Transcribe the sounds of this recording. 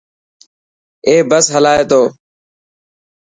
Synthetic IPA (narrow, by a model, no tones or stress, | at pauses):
eːbəsɦəlaːeːt̪oː